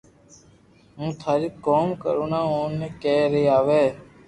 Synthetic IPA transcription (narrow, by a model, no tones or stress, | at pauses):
ɦũːt̪ʰaːɾiːkoːmkə̰ɾoːnãːõːnẽːkeːɾiːaːʋeː